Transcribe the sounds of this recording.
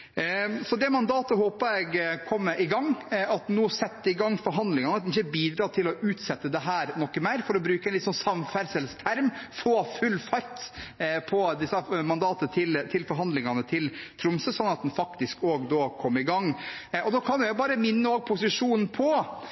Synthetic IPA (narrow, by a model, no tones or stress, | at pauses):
sɔd̪ɛmɑnd̪ɑːt̪əɦoːpəɾɛɪɡkʰɔmːəʔɪɡɑŋːɑt̪nuːsɛt̪ːɪɡɑŋːfɔɾɦɑnd̪lɪŋɑnəɑt̪d̪nɪçːəbiːd̪ɾɑːʈ̪ʰɪlɔʔʉːt̪sɛt̪ːəd̪ɛɦæːɾnɔkːəmeːɾfɔɾɔbɾʉːkəɛnlɪt̪sɔnsɑmfæɾsɛlst̪ʰæɾmfoːfʉlfɑɾt̪pʰɔd̪ɪsəmɑnd̪ɑːt̪ət̪ʰɪlt̪ʰɪlfɔɾɦɑnd̪lɪŋɑnət̪ʰɪlt̪ʰɾʊmsəsɔnːɑt̪̚d̪ɛnfɑkt̪ɪskoːɡd̪oːkʰɔmːəɾɪɡɑŋːɔd̪oːkʰɑnʋɛbɑːɾəmɪnːəoːɡ̚pʰʊsɪʂuːnn̩pʰɔ